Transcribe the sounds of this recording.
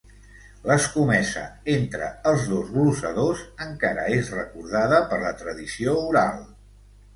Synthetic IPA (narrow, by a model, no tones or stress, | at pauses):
ləskumɛsə̰ent̪ɾə̰əlˠzðozɣlusəðozəŋkaɾə̰ezrəkuɾð̞aðəpəɾlət̪ɾəðisiouɾa̰lˠ